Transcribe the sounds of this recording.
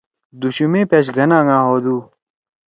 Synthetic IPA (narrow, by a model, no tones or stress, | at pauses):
d̪uɕumẽːpeɕ̬ɡʱɐnãːŋãːɦoːd̪uː